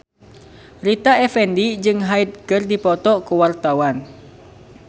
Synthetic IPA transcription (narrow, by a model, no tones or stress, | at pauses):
rit̪aɛfɛndid͡ʒɨŋɦaid̪̚kɨrdipɔt̪ɔkuwart̪awan